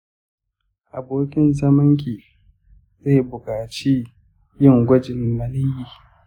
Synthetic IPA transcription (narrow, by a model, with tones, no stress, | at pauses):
ʔa˨boː˦kʲɪ˦nzɐ˦mɪ˦ŋkʲiː˨ | zeː˦˨bʊ˨kʼaː˨t͡ʃiː˦ | jɪ˦˨ŋɡʷɐ˦d͡ʒɪ˨mːɐ˨lɪ˦jiː˨